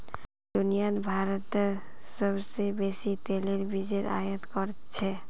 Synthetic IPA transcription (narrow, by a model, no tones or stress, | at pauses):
d̪ʊnijad̪bʱaːɾət̪səbsebeːsit̪eːleɾbɪd͡ʒeɾa̰ːjət̪kɔɾt͡ʃʰɛ